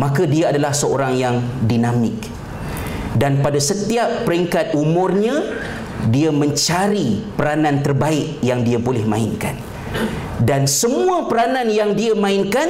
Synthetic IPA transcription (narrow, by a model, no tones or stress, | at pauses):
mãkadiaadalahsəoɾaŋjaŋdinamɪk̚ | danpadasət̪iap̚ːəɾiŋkat̪̚umʊ̃rɲã | diamə̃ɲt͡ʃaɾipəɾanãnt̪ərbaɪkjaŋdiabolɛhmã̰ɪ̰nka̰n | dansəmũapəɾanãnjaŋdiamãɪnkan